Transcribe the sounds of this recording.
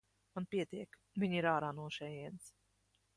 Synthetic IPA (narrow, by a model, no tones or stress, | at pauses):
manpiɛt̪iɛk | viɲiɾaːɾaːnuɔʃɛjiɛns